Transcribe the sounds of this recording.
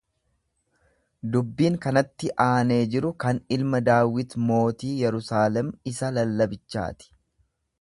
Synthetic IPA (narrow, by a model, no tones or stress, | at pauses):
d̪ʊbːiːŋkɐnɐt̪ːɪʔaːne̞ːd͡ʒɪɾʊkɐnɪlmɐd̪aːwɪt̪mo̞ːt̪iːjɛɾʊsaːlɛmɪsɐlɐlːɐbɪt͡ʃːa̰ːt̪ɪ̥